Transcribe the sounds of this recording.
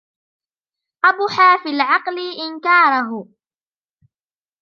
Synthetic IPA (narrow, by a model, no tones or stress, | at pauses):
ʔabʊħaːfilʕɑqlɪʔɪnkɑːɾˤaɦʊ